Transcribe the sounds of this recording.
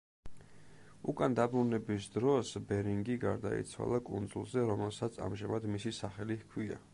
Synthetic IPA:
ukʼand̪abɾunɛbisd̪ɾɔsbɛɾiŋɡiɡaɾd̪a̰ḭt̪sʰwa̰lˠakʼund̪zṵlˠzɛɾɔmɛlˠsat̪sʰa̰mʒamad̪misisaχɛlihkʰwia̰

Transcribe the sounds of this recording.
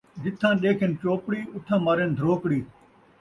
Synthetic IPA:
d͡ʒɪt̪ʰãːɗeːkʰɪnt͡ʃoːpɽiːʊʈ̪ʰãːmaːɾend̪ʱəɾoːkɽiː

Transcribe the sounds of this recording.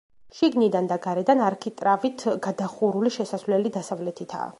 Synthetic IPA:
ʃiɡnid̪and̪aɡaɾɛd̪anaɾkʰit̪ʼɾavit̪ʰɡad̪aχuɾuliʃɛsasvlɛlid̪asavlɛt̪ʰit̪ʰa̰ː

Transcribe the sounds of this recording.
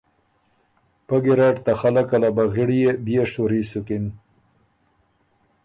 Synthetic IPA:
paɡiɾɑʈt̪axalakalabaɣiɽijebijeʂuɾisukin

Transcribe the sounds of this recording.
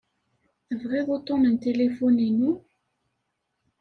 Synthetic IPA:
əvʁiðˤot̪ˤːomənt̪elefuninu

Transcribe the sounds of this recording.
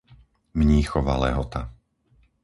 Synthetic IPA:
mɲiːxɔʋa̰lɛ̰ɦɔt̪a

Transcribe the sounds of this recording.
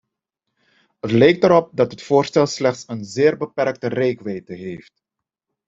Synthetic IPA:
ɦətlɛjk̚təɾɔp̚dɑtɦətfoːrstɛlˠslɛχtsənzɪːrbəpɛɾk̚tərejkʋɛjtəɦeːft

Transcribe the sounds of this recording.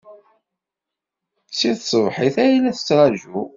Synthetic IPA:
siðsˤəvħiθæjlæθə̥t͡sːɾˤɑʒu

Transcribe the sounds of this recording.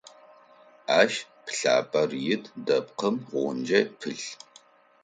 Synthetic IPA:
aːʃ | pɬa̰ːpʼɐrjɪtʰdɐp̚qəmʁʷɔnd͡ʒɐpʰɨɬ

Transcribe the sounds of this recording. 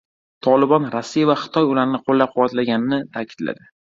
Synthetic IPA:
t̪ʰɒlɪbɒnɾasːijavaχɨ̥t̪ʰɒjʊlaɾnɪqʰolːap̚qʰʊwat̪laɡʲanɪnɪt̪ʰakʲʰɪ̥d̪̥la̰d̪ɪ

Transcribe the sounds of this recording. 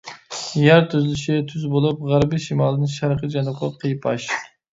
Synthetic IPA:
jæɾt̪ʰyzɪlɪʃɪt̪ʰyzbolˠup̚ʁæɾbɪʃimɑlˠɨd̪ɨnʃæɾqəd͡ʒɑnʊqʰɑqʰəjpʰɑ̰ʃ

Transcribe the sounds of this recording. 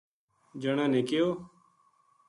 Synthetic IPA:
d͡ʒəɳãːnẽːkɪjoː

